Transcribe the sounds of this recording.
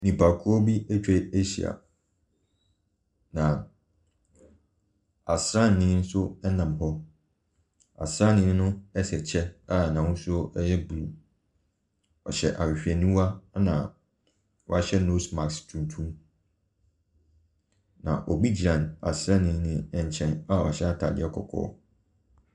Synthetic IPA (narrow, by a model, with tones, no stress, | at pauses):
nĩ˨pʰa˨kʰu˦ɔ˦bi˦ɛ˦t͡ɕᶣɛ˦e˦ɕi˨a̰˨ | nã˨ | a˨sɾã˦˨nː˨ɪ̃˦n̩˦sʊ˦ɛ˦nã˨m˨ɦɔ˦ | a̰˨sɾã˦˨nɪ̃˦nʊ̃˦ɛ˦sɛ˨t͡ɕʰɛ˦a˦˨nã˨wʊ̃˦sʊ˦ɔ˦ʔɛ˦jɛ˦bu˨lu˨ | ɔ̰˨ɕɛ̰˨ʔa˨wi˨ɕᶣi˨ɛ˨nũ˦wa˦nã̰˨ | wɔ˦a˦ɕɛ˦no˦sma˨kstʰũ˨n˨tʰũ˦m | nã̰˨ʔɔ˨bi˦d͡ʑi˨ɾã˨na̰˨sɾã˦nɪ̃˦nɪ̃˨ɛ˨ɲ˨t͡ɕʰɛ̃˨na˦˨ɔ̰˨a˨ɕɛ˦a˦tʰa˨dɪ̰˦ɛ˦kʰɔ˨kʰɔ̰ː˦